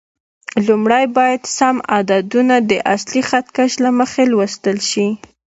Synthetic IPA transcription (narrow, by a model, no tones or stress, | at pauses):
lumɽajbɑjad̪samad̪ad̪unad̪əʔaslixat̪kaʃlaməxelwəst̪əlʃi